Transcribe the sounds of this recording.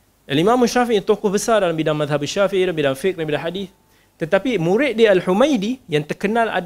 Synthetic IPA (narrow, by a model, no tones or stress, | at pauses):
ʔalimãmaʃafiʔt̪okʊhbəsardalambidaŋmaðɦabaʃafiʔidalambidaŋfɪk̚dabidahadiθ | t̪ət̪apimuɾɪʔ̪̚dialħumãjdijaŋt̪ərkənãla̰d